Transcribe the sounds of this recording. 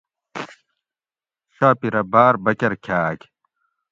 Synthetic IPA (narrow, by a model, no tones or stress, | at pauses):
ɕaːpiɾɐbaːɾbɐkɐɾkʰaːk